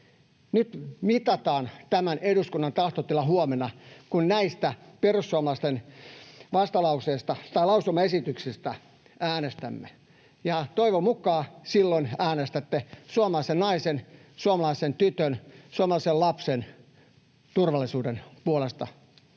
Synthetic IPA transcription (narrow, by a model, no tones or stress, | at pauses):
nyt̪mit̪ɑt̪ɑːnt̪æmænʔeduskunːɑnt̪ɑht̪ot̪ːilːɑhuomenɑkunnæist̪æperusːuɑmɑlɑˑist̪en | ʋɑst̪ɑlɑuseːst̪ɑt̪ɑilɑusumɑesit̪yksist̪æ | æːnest̪æmːe | jɑt̪oiʋomukˑɑːsilːonæːnest̪æt̪ːesuomɑlɑisennɑisen | suomɑlɑisent̪yt̪ønsuomɑlɑˑisellɑpsen | t̪urʋɑlːˑisuːdenpuolest̪ɑ̰